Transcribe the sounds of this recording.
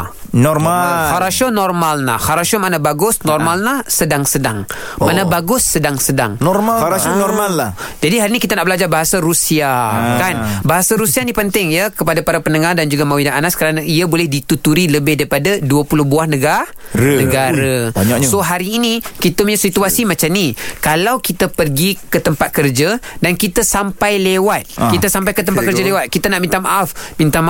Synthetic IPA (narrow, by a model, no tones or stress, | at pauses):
nɔrmahaɾaʃonɔrmalna̰hhaɾaʃomanabaɡʊsnɔrmalnahsədaŋsədaŋ | manabaɡʊsːədaŋsəda̰ŋnɔmaaɾanɔmalːa | d͡ʒadiɦaɾinikit̪anaʔbəlad͡ʒarbaɦasaɾusiakanbaɦasaɾusianipənt̪ɪŋjakəpadapaɾapənəŋardand͡ʒuɡamawinaʔanaskəɾanaiabolɛhdit̪ut̪uɾiləbɪhdaɾipadaduəpulʊhbuahnəɡah | nəɡaɾəaɲsoɦaɾiːnikit̪umɲãsit̪uasimat͡ʃamnikalawkit̪apərɡikət̪əmpat̪̚kərd͡ʒadankit̪əsampajlewat̪̚kit̪asampajkət̪əmp̪atkəɾd͡ʒalewat̪̚kit̪anaʔmint̪amaʔafmint̪am